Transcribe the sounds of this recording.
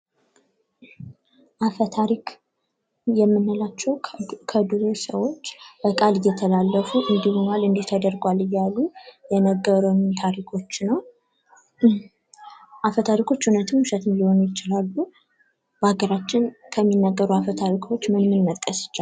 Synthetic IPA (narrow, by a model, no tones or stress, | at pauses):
ʔafət̪ʰaɾikʰ | jɛmːɨnːɨlat͡ʃːɛwkʰəd̪uɾosə̰wo̞t͡ʃːbəkʼalɨjːɛt̪ʰəlalːəfuʔɨnd̪ihonalɨnd̪iht̪ʰəd̪əɾɡʷalɨjːalːujɛnəɡːəɾənt̪ʰaɾikʰo̞t͡ʃːnəw | ʔafət̪ʰaɾikʰo̞t͡ʃːhunət̪ʰɨmuʃɛt̪ɨnliho̞njɪt͡ʃɪlalːu | b̥əaɡəɾat͡ʃːɪnkʰəmːinːəɡːəɾuafət̪ʰaɾikʰo̞t͡ʃːmɨnmɨnːəkʼəsɨ̥t͡ʃːa